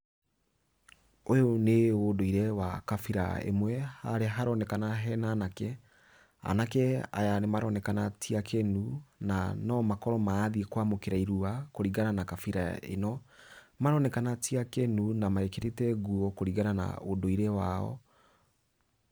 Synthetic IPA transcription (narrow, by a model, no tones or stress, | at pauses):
ojoneodoiɾɛwakafiɾa̰ḛmwɛhaɾeɦaɾɔnɛkanaɦɛnanakɛ | a̰nakɛa̰janemaɾɔnɛkanatiakʰɛnunanɔmakɔɾɔmaːðiekwamokeɾaiɾuakoɾiɣananakafiɾaḛnɔ | maɾɔnɛkanatiakɛnunamaekeɾetɛɡuɔkoɾiɣanana̰odoiɾɛwaɔ̰